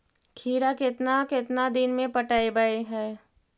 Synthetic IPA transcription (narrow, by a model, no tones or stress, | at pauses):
kʰiːɾakɪt̪nakɪt̪nad̪ɪnmẽpɐʈaːebəeɦɛː